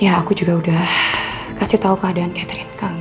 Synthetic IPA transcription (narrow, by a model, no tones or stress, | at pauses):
jaːkud͡ʒuɡaudah | kasiht̪aukəadaankɛt̪ɾinkaŋ